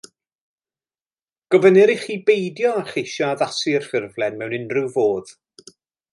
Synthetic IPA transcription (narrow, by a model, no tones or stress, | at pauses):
ɡ̥ɔvənɨɾiχiːbejdjɔaχejʃɔaðasɨər̥fɪrvlˠɛnmɛwnɪnrɨwvoːð̥